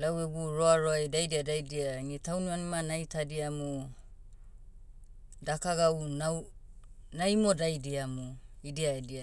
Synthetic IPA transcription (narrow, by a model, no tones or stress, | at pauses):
laweɡuɾoaɾoajdajdiadajdiaŋitawnianimanajtadiamo | dakaɡawnaw | najmodajdiamoidiaedia